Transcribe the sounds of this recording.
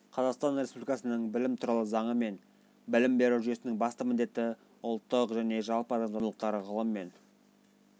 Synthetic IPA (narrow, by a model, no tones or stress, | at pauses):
qʰɑzɑqst̪ɑnɾe̞spublikɑsənəɴbɪlɪmt̪ʰuɾɑlˠəzɑɴəme̞n | bɪlɪmbe̞ɾuʒʏe̞sɪnɪŋbɑst̪əmɪnd̪e̞t̪ːɪ | ʊlˠt̪ːəqʒæne̞ʒɑlˠpəɑd̪ɑmzɑlˠəq̚t̪ɑɾəʁʰəlˠəmːe̞n